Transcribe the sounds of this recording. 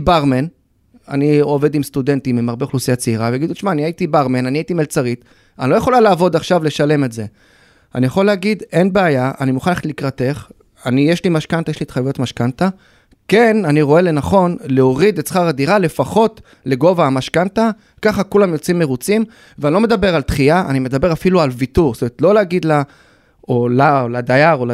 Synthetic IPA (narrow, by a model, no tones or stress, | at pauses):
baʁmen | a̰nio̞ve̞dimstud̪e̞ntimːimaʁbeχlusijat͡seiʁaveaɡid̪uʃmaːniaitibaʁmenaniaitimelt͡saʁit | anilo̞jeχo̞lalaːvo̞d̪aχʃavle̞ʃale̞me̞tze̞ | a̰nijaχo̞leaɡid̪e̞nbeajaanimuχanlaetlikʁate̞χ | anijeʃlimaʃkant̪ajeʃlitχajujotmaʃkanta | ke̞naniʁo̞e̞le̞naχo̞nleoʁid̪et͡sχaʁadiʁale̞faχo̞t | le̞ɡo̞vaːmaʃkanta | kaχakulamjot͡simːe̞ʁut͡sim | veanilome̞d̪abe̞ʁaltχiaʔa̰nime̞d̪abe̞ʁafilualvituʁst̪omeet̪lo̞leaɡid̪la | olaolad̪ajaʁola